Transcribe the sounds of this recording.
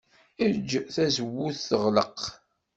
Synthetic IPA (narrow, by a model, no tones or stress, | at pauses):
iɾd͡ʒːθæzəwːuθθəʁləq